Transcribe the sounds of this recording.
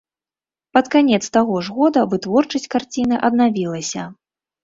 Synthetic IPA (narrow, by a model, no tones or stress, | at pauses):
pɐt̪kanʲɛt̪st̪aɣɔʐɣɔd̪ɐvɨt̪vɔrt͡ʂɐsʲtʲkart͡sʲinɨʔɐd̪navʲilˠɐsʲɐ